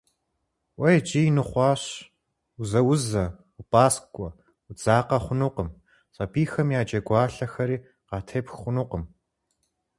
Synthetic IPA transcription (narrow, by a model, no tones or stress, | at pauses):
wʔɐjd͡ʒʼiːjnɨχʷɑːɕ | ʊzɐwʊzɐ | upʼaːskʷʼɔ | ud͡zaːqɐχʷʊnuːqəm | ɕʼɐpʰiːxɐmjaːd͡ʒɐɡʷɑːɬɐxɐɾiː | qɑːtʰeːpxχʷʊnuːqəm